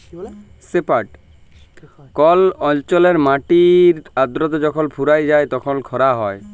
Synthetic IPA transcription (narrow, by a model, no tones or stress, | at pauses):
sepaʈ | kɔlɔlt͡ʃɔleɾmaʈiɾad̪ɾɔt̪̬ɔd͡ʒɔkʰɔlpʰuɾajd͡ʒajt̪ɔkʰɔnkʰɔɾaɦɔe